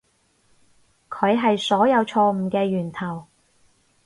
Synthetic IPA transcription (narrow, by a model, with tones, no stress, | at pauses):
kʰɵ˨˧ɥɦɐ˨jsɔː˨˥jɐ˨˧wt͡ʃʰɔː˧m̩˨˩kɛː˧jyː˨˩nt̪ʰɐ˨˩w